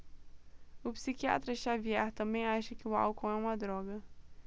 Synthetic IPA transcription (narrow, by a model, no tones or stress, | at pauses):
ʊpsikia̰t̪ɾɐʃaviɛɾt̪ɐ̃mbẽj̃aʃɐkɪʊa̰wkõw̃ɛũmɐd̪ɾɔɡɐ